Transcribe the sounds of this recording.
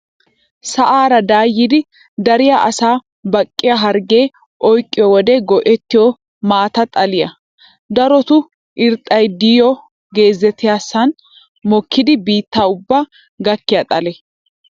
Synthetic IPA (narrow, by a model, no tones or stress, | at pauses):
sɐʔaːɾɐd̪aːjːɪd̪ɪ | d̪ɐɾɪjaʔɐsaː | bɐkʼːɪjɐɦɐɾɡe̞ː | ʔɔjkʼːɪjɔwɔd̪ɛɡɔʔɛt̪ːɪjɔ | maːt̪ɐt̪ʼɐlɪjɐ | d̪ɐɾɔt̪ʊ | ʔɪɾt̪ʼːɐjd̪iːjɔ | ɡe̞ːzːɛt̪ːɪjaːsːɐn | mɔkʰːɪd̪ɪbiːt̪ːaːʊbːaː | ɡɐkːɪjɐt̪ʼɐlɛ